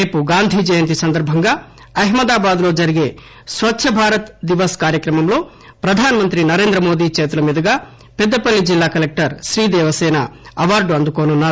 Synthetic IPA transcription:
eːpuɡaːnd̪ʱiːd͡ʒɐjɐnt̪̬isɐnd̪ɐɾbʱɐŋɡaː | ɐɦmɐd̪aːbaːd̪lo̞ːd͡ʒɐɾiɡe̞ː | sʋɐtːʃʰɐbʱaːɾɐt̪d̪iʋɐskaːɾjɐkɾɐmɐmlo̞ː | pɾɐd̪ʱaːnɐmɐnt̪ɾinɐɾe̞ːnd̪ɾɐmo̞ːd̪iːt͡ʃeːt̪ulɐmid̪ɐɡaː | pɛd̪ːɐpɐlːid͡ʒilːaːkɐlek̚ʈɐɾʃɾiːd̪ɛːʋɐsɛːnɐ̰ɐʋaːɾɖuɐnd̪ukoːnunːaːɾ

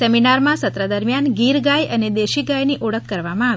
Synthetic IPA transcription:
ɛminaɾmãsət̪ɾəd̪əɾmjanɡiɾɡajəned̪eʃiɡajniʔoɽəkːəɾʋamãːʋ

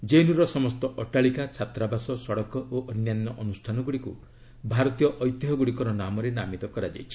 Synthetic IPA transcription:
d͡ʒenuɾɔsɔmɔst̪ɔʔɔʈaɭikat͡ʃʰat̪ɾabasɔsɔɽɔkɔʔoʔɔnjanːɔʔɔnusʈʰanɔɡuɽikṵ | bʱaɾɔt̪ijɔʔɔjt̪ɔɦɔɡuɽikɔɾɔnamɔɾenamit̪ɔkɔɾad͡ʒa̰jt͡ʃʰi̥

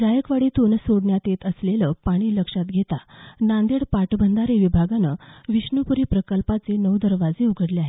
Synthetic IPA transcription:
d͡zajəkʋaɽiːt̪onsoɽɳjat̪et̪əsleləpaɽ̃iːləkʂat̪̚ɡʱet̪anand̪eɽpaʈbʱənd̪ʱaɾeʋibʱaɡanəʋiɕɳupuɾipɾəkəlpat͡senəwd̪əɾʋad͡zeuɡʱəɽleaɦe

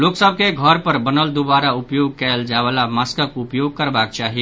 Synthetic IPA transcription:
loksəb̚ʱkeɡʱəɾpəɾbənəld̪obaɾaupjoɡ̚kɛld͡ʒaʋalamaskəkʊpjoɡ̚kəɾbak̚t͡ʃaɦi

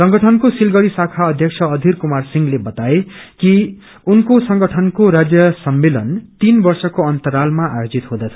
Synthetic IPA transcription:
sʌŋɡʌʈʰʌnkosilɡʌɽisakʰaʌd̪ʱjʌksʰʌʌd̪ʱirkumarsiŋɡlebʌt̪aeki | unkosʌŋɡʌʈʰʌnkoɾad͡zjʌsʌmːelʌnt̪inbʌrsʌkoʌnt̪ʌɾalmaa̰jod͡zit̪ɦõd̪ʌt͡sʰʌ

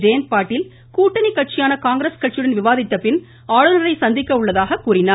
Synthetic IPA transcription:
d͡ʒɐjɐnpaːʈːɪl | kuːʈːɐnikːɐʈ̚t͡ʃːɪjaːnɐkaːŋɡɾeskɐʈ̚t͡ʃɪɽɐnʋɪʋaːðɪt̪ːɐpːɪn | aːɻɯnɐɾɐɪsɐnd̪ɪkːɐʊɭːɐðaːɣɐkːuːɾɪnaː

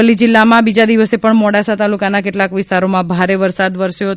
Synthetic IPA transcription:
əlid͡ʒɪlːamãbid͡ʒad̪iʋəsepəɳmɔɽasat̪alukanakeʈlakʋɪst̪aɾomãbʱaɾeʋəɾsad̪ʋəɾʃjo

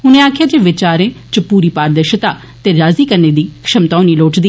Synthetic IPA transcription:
ʊnẽːaːkʰjaːd͡ʒeːʋɪt͡ʃaːɾẽːt͡ʃəpuːɾiːpaːɾd̪əɾʃt̪aː | t̪eːɾaːziːkəɾnẽːd̪iːkʃəmt̪ɔːniːloːʈd̪iː

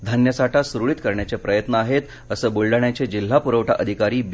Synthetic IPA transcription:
d̪ʱənjəsaʈasɾuɭit̪kəɾɳjat͡sepɾəjət̪nəaɦet̪ | əsəːbuɭɖaɳjat͡sed͡ʑil̤ːapuɾəʋʈʰaʔəd̪ʱikaɾiːb

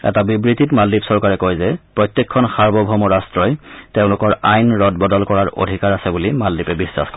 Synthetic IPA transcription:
ɛ̰tabibɹititmaldipsɔɹkaɹɛkɔjzɛpɹɔjt̪jekʰːɔnxaɹbɔbʱɔmɔɹastɹɔjteʊ̃lʊkɔɹajnɹɔd̚bɔdɔlkɔɹaɹo̰dʱikaɹasɛbulimaldipɛbisːa̰xk

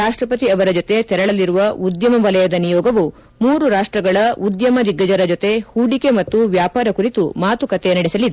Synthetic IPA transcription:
aːʂʈɾɐpɐt̪iɐʋɐɾɐd͡ʒot̪e̞t̪ɛɾɐɭɐliɾuʋɐud̪jɐmɐʋɐlɐjɐd̪ɐnijɔːɡɐʋu | muːɾuɾaːʂʈɾɐɡɐɭɐud̪jɐmɐd̪iɡːɐd͡ʒɐɾɐd͡ʒot̪e̞huːɖike̞mɐt̪ːuʋjaːpaːɾɐkuɾit̪umaːt̪ukɐt̪enɐɽɛsɐlid̪e

